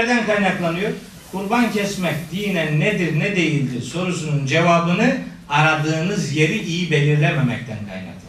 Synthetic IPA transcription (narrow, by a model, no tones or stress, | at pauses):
æɾd̪ænkʰajnaklˠanɯjoɾ | kʰuɾbancʰɛsmɛcd̪ijinɛnnɛd̪iɾnɛd̪e̞jilʲd̪iso̞ɾus̬unund͡ʒevaːbɯnɯ | aɾad̪ɯːnɯzje̞ɾiʔijibe̞lʲiɾlʲɛmemɛc̚t̪ʰænkʰa̰jna̰klˠ